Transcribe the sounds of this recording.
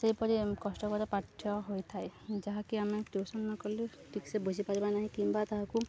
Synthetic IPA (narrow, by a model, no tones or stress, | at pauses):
seɦipɔɾikɔsʈɔkɔɾɔpaʈʰːjɔɦojt̪ʰaed͡ʒaɦakiamɛʈosɔnːɔkɔɾlu | ʈʰiksebud͡ʒʱipaɾibanaɦĩkimbat̪ɔɦãku